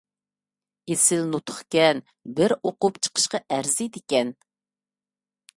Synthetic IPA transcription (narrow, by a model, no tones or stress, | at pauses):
esɪlnut̪ʰʊ̥χkʲɛn | bɪɾoqʊpt͡ʃʰə̥qʰə̥ʃqɑʔæɾzɪd̪ekʲɛn